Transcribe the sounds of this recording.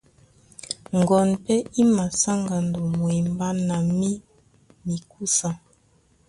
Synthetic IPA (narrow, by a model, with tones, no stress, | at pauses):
ŋ˨ɡɔ˨npɛ˦i˦ma˨sa˦ŋɡa˨ndo˨mwɛ˨mba˦na˨mi˦ | mi˨ku˦sa˨